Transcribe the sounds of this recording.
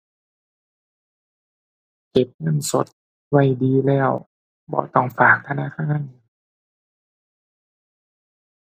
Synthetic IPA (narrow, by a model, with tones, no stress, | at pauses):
ke˨˩p̚ŋɤ˧˥˩nso˨˦t̪̚ | wa˧˩jdiː˧lɛː˧˥˩w | bɔ̰ː˧˦t̪ɔ˥˩ŋfaː˨˩k̚t̪ʰa˧na̰˧˥˨kʰa˧˩ŋa˧˥˨